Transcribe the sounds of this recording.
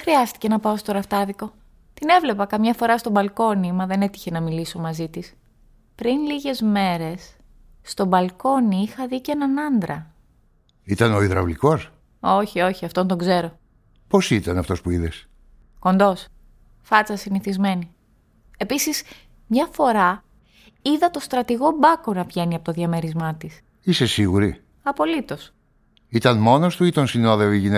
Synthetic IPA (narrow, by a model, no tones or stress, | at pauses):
xɾiɐst̪i̥ce̞nɐpɐost̪o̞ɾɐft̪ɐðiko̞ | t̪ine̞vle̞pɐkɐmɲɐfo̞ɾɐst̪obɐlko̞nimɐðe̞ne̞t̪i̥çe̞nɐmiliso̞mɐzit̪is | pɾinliʝe̞zme̞ɾe̞sː | t̪o̞bɐlko̞niixɐðicenɐnɐnd̪ɾɐ | it̪ɐno̞iðɾɐ̰vliko̞s | o̞çio̞çiɐft̪ont̪oɡze̞ɾo̞ | po̞sit̪ɐnɐft̪o̞spuiðes | ko̞nd̪o̞s | fɐt͡sɐsiniθizme̞ni | e̞pisis | mɲɐfo̞ɾɐ | iðɐt̪o̞st̪ɾɐt̪iɣo̞bɐko̞nɐvʝe̞niɐpo̞t̪oðjɐme̞ɾizmɐt̪is | ise̞siɣuɾi | ɐpo̞lit̪o̞s | it̪ɐnmo̞nost̪uit̪onsinoðeoiʝine